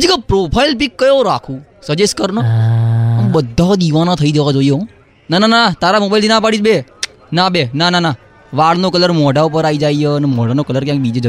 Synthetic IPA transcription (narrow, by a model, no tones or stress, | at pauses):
d͡ʒikapɾopʰailpikːəjoɾakʰũsəd͡ʒeskəɾnə | əmbəd̪ʱːad̪iʋanat̪ʰəid͡ʒəʋad͡ʒoijo | nananat̪aɾamobailt̪inãpaɽid͡ʒbe | nabenanana | ʋaɭnokələɾmɔɖaupəɾaid͡ʒaijənemɔɖanokələɾkjãk̚bid͡ʒed͡ʒə